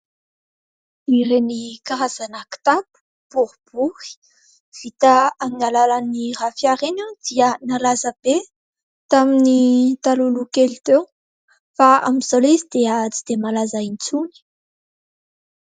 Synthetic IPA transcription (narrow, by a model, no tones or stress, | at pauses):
iɾenikaɾaz̥anaki̥t̪apu̥ | b̥uɾub̥uhi̥ | v̥it̪aaminalalanirafjaɾenad̪̥iənalazəb̥e | t̪aminit̪alulukelit̪e | faa̰miz̥alizid̪̥eat͡sid̪̥emalazaint͡suni̥